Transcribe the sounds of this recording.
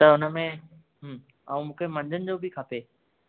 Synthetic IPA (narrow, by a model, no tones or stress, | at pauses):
t̪ɐʊnə̆mẽ | ɦ | ɐ̰ũmũːkʰemɐ̃ɲd͡ʑʱənɪ̆d͡ʑoːbʱɪkʰapeː